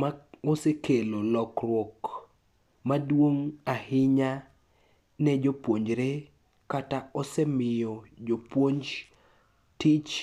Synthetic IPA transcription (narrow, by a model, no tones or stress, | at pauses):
maosekʰelolɔkrwɔk | madwoŋahɪɲa | nɛd͡ʒopwoɲd͡ʒɾe | kataɔsɛmɪjɔd͡ʒopwoɲd͡ʒ | tɪt͡ʃ